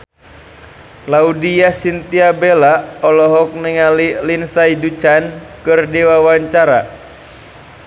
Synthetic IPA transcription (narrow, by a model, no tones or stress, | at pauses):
laudiasint̪iabelaɔlɔɦɔk̚niŋalilinsaidut͡ʃankɨrdiwawaɲt͡ʃaɾa̰